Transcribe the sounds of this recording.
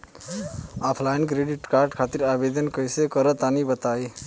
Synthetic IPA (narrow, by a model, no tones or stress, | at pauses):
apʰlajnkɾeɖiʈkaɾɖkʰat̪iɾabed̪ənkəjsekəɾət̪anibət̪ai